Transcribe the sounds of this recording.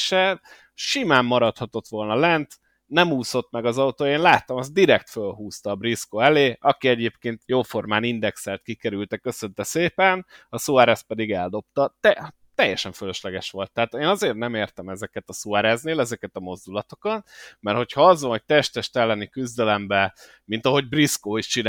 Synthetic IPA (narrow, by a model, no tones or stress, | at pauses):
ʃɛ | ʃimaːmːɒɾɒt̪hɒt̪o̞t̪ʋo̞lnɒlɛnt̪ | nɛmuːso̞t̪mɛɡɒzɒut̪oːjeːnlaːt̪ɒmɒzd̪iɾɛkt̪følɦuːst̪ɒːbriskoːɛleːʔɒkiɛɟeːpkeːnt̪joːfo̞rmaːnind̪ɛksalt̪̚kikɛɾylt̪ɛkø̞sønt̪ɛseːpɛnɒsuaɾɛːs̚pɛd̪iɡɛld̪o̞p̚t̪ɒt̪ɛ | t̪ɛjːɛʃɛɱføløʃlɛɡɛʃʋo̞lt̪ːɛɦːt̪eːnɒzeːrnɛmeːrt̪ɛmɛzɛkɛt̪ɒsuaɾɛzneːlɛzɛkɛt̪ɒmo̞zd̪ulɒt̪o̞kɒt̪mɛrho̞chɒɒzʋɒnɦo̞c̚t̪ɛʃt̪ɛʃt̪ɛlːɛnikyzd̪ɛlɛmbɛ | mint̪ɒɦo̞ɟbriskoːiʃt͡ʃin